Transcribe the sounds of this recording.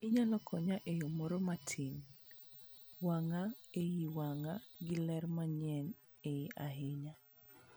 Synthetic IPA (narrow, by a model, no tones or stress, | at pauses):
ɪɲalɔkʰɔɲaʔejomoɾomatʰin | waŋaejiwaŋaɡɪlɛrmaɲɛn | ejiʔaɦɪɲa